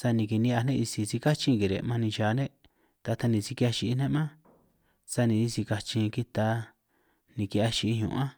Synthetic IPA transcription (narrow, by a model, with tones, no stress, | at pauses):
sa˧nĩ˨ki˨nĩ˧a˧nẽ˦ʔi˧si˧si˧ka˦t͡ʃi˧ŋɡi˨ɾḛ˨mã˧nĩ˧ʃaː˨˧nẽ˦ | t̪a˧t̪a˧nĩ˧si˧ki˧a˧ʃi˧i˦nẽ˦mã˦ | sa˧nĩ˧i˧si˧ka˧t͡ʃĩ˧ki˦t̪a˧ | nĩ˧ki˧a˧ʃi˧i˧ɲṵ̃˨ã˦